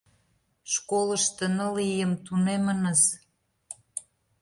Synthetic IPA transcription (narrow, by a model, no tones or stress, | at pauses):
ʃkolə̆ʃt̪ə̆nə̆lijəmt̪unemənəz